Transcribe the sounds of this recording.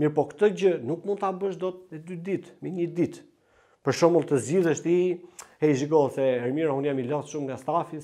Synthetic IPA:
miɾpɔkt̪ɔd͡ʑənukmund̪t̪abəʃd̪ɔt̪̚mɛd̪yd̪it̪mɛɲəd̪it̪ | pəɾʃɔməlˠt̪əzd͡ʑiðəʃt̪iɛiʒiɡɔɛsɛɛɾmiɾaunjamilɔsʃumŋɡast̪afis

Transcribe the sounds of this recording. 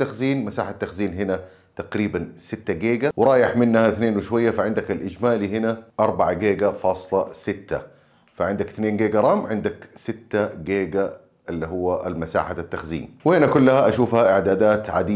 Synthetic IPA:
t̪ːaxziːnmasa̰ːħat̪ːaxziːnɦɪna | t̪aqɾiːbansɪt̪ːaɡeːɡawɪɾˤɑːjɪħmɪnːhaɪθneːnwɪʃwajːafaʕɪnd̪akalʔɪd͡ʒmaːlihɪnaʔɑɾˤbaʕaɡeːɡafɑːsˤlɑsɪt̪ːa̰ | faʕɪnd̪akθneːnɡeːɡaɾˤɑːmʕɪnd̪aksɪt̪ːaɡeːɡa | ʔɪlːiɦʊwːaʔa̰lmasa̰ːħat̪ːaxzḭːnwɪhɪnakʊlːahaʔaʃuːfhaʔɪʕd̪aːd̪aːt̪ʕa̰d̪iː

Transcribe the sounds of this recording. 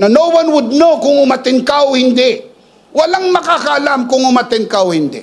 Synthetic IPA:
nɐnowwanwʊd̪̚nowkʊŋʊmat̪ɪŋkawhɪnd̪ɛʔ | wɐlaŋmɐkakɐʔɐlamkʊŋʊmat̪ɪŋkawhɪnd̪ɛʔ

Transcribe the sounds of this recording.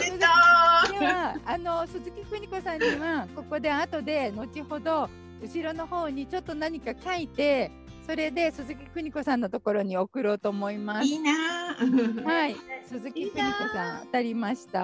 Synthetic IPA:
sozɨk̪eβaano̞sɨzɨkʲikɯ̟ɲ̟iko̞sãɲ̟ːiβako̞ko̞d̪e̞at̪o̞d̪e̞no̞t͡ɕiho̞d̪o̞ | ɯ̟ɕiɾo̞no̞ho̞ːɲ̟it͡ɕo̞t̪ːo̞naɲ̟ikakait̪e̞ | so̞ɾe̞d̪e̞sɨzɨkʲi̥kɯ̟ɲ̟iko̞sãnːot̪o̞ko̞ɾo̞ɲ̟io̞kɯ̟ɾoːt̪o̞ːmo̞imasna | haisɨzɨkʲikɯ̟ɲ̟iko̞sãɰ̃at̪aɾʲimaɕi̥t̪a̰

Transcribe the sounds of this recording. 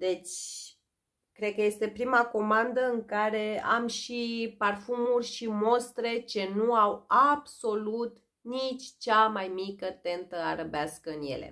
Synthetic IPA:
d̪e̞t͡ʃʲ | kɾed̪̚kəje̞st̪e̞pɾimako̞mand̪əɨŋkaɾe̞a̰mʃiparfumurʲʃimo̞st̪ɾe̞t͡ʃe̞nuawabso̞lut̪ | nit͡ʃʲt͡ʃamajmikət̪e̞nt̪əaɾəbeaskəɨnje̞̰lḛ

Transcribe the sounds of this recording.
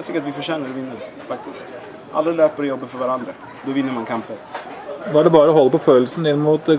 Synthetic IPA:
t̪ʰʏkːɾat̪ʋɪfœʂɛːnəɾɔvɪnːəɾ | fak̚t̪ʰɪst̪ | ʔa̰lːəløːpəɾjɔbːəfœɾvaɾand̪ɾa | d̪ɔvɪnːəɾmankʰampəɾʋɑɖɛbɑːɾəɔɦɔlːpɔføːlsənɪnːmuːt̪

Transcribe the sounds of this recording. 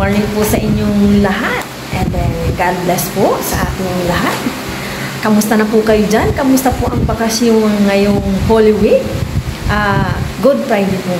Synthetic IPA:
wɐɹnɪŋpʊsɐʔɪɲjoŋlɐɦat̪̚ʔɛnd̪ɛɡad̪̚blɛsposɐʔaːt̪ɪŋlɐɦat̪̚ | kɐmʊst̪ɐnɐpʊkɐjod͡ʒankɐmʊst̪ɐpʊʔɐŋpɐkasjʊŋːɐjoŋholɪwɪ | ʔaɡʊd̪̚pɹajd̪ɪpʊ

